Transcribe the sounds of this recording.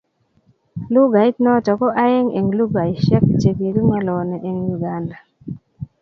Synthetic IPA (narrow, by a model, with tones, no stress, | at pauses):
lu˦ɡa˨i˦t̪nɔ˦t͡ʃɔ˨kɔ˦ʔa˦e˦ŋḛ˨ŋlu˦ɡa˨i˨ʃɛ˦k̚t͡ʃe˨ki˨ɾi˦ŋɔ˦lɔ˨nɛ˨ʔe˨ŋju˨ɡa˨˦nda˨